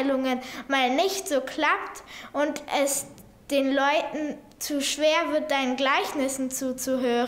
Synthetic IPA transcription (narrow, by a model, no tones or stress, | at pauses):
lʊŋənmaːlnɪçtz̥oːkʰl̥aptʔʊntʔɛs | d̥eːnlɔʏtn̩ | t͡suːʃv̥eːɐvɪɐt̚d̥aɪnənɡlaɪçnɪsn̩t͡suːt͡suɦøːʁ